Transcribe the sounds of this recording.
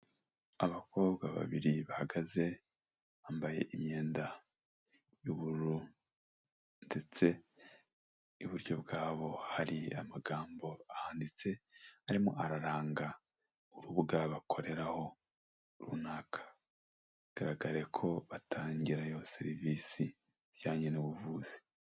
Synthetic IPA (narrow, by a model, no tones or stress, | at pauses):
aβako̞ːβɡaβa̰βiɾiβahaɡaze̞ | aːmbaje̞̰ʔimɲe̞ːnda | juβuɾu | nde̞t͡se̞ | uβuɾɟo̞bɡaːβo̞haɾia̰maɡaːmbo̞ahaːndit͡se̞aɾimo̞̰ʔaɾaɾaːŋɡa | uɾuβɡaβakʰo̞ɾe̞ɾaho̞ | ɾṵnaːkʰḁ | ɡ̥aɾaɡaɾekʰo̞βatʰaːɲɟiɾajose̞ɾiviːsi̥ | jaːɲenuβuvuːz̥i̥